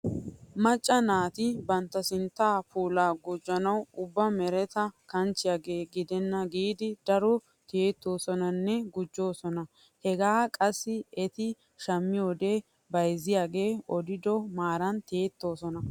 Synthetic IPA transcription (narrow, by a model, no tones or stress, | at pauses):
mɐt͡ʃʼːɐnaːt̪ɪbɐnt̪ːɐsɪnt̪ːaːpuːlaːɡʊd͡ʒːɐnɐwʊbːɐmɛɾɛt̪ɐkɐnt͡ʃːɪjaːɡeːɡɪd̪ɛnːɐɡiːd̪ɪd̪̥ɐɾɔ | t̪eːt̪ːo̞ːsɔnɐnːɛɡʊd͡ʒːo̞ːsɔnɐ | hɛɡaːkʼɐsːɪɛt̪ɪ | ʃɐmːɪjoːd̪e̞ː | bɐjzɪjaːɡe̞ːɔd̪ɪd̪ɔmaːɾɐnt̪eːt̪ːo̞ːsɔnɐ